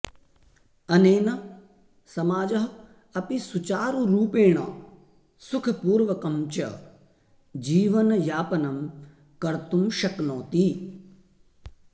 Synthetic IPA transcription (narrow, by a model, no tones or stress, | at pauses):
ɐneːnɐ | sɐmaːd͡ʒɐɦɐ | ɐpisut͡ʃaːɾuɾuːpeːɳ̃ɐ̰ | sukʰɐpuːɾʋɐkɐmt͡ʃɐ̰ | d͡ʒiːʋɐnɐjaːpɐnɐm | kɐɾt̪umʃɐknoːt̪i